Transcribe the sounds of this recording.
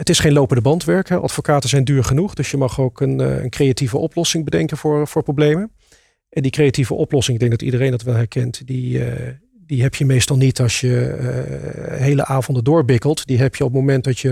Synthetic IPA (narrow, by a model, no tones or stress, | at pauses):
ətɪsχejnlowpəndəbɑntʋɛɹkɦɛʔɑ̰tfokaːtəzɛjndyːɹχənuχdɵsjəmɑχowkənə̰nkrejativəʔɔplɔsɪŋbədɛŋkənvʊːɹv̥ʊːɹprowblejmən | ʔɛndikrejativə̰ʔɔplɔsɪŋɪɡ̚dɛŋɡ̚dɑtḭdərejndɑtʋɛlˠɦɛɹkɛntdi | diɦɛpjəmejstɑlˠnitɑsjə̰ | ɦejlə̰ʔaːvɔndəndʊːɹbɪkəlˠtdiɦɛpjəɔp̬̚mowmɛnt̚dɑtjə